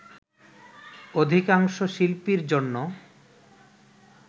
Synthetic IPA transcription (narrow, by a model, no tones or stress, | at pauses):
od̪ʱikaŋʃoʃilpiɾd͡ʑonːo